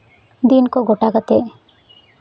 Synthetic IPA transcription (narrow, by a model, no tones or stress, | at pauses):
d̪inkɔɡɔʈaɡat̪e